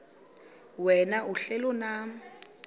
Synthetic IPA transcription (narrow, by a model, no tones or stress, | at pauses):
wɛnaʔuɬɛlɔna